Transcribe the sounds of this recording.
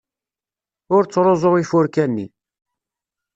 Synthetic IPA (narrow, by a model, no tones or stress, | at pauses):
ʊɾt͡sːɾˤozˤoʁifʊɾkænːi